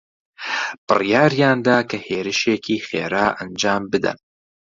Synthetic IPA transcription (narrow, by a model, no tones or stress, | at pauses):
b̥ɨrijaːɾjaːnd̪aːkʰɐheːɾɨʃeːkʰiːχḛːɾaːʔɐnd͡ʒaːmbɨd̪ɐ̰n